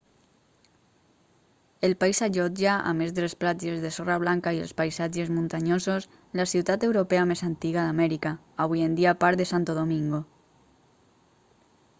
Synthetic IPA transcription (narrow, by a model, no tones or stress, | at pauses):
elpaisaʒod͡ʒaa̰mezðelesplad͡ʒezðesoraβ̞laŋkaiḛlspajsad͡ʒezmũnt̪aɲosos | lasiwt̪at̪ewɾopeamesant̪iɣaðamɛɾika | aβujend̪iapaɾðesant̪oðomiŋɡo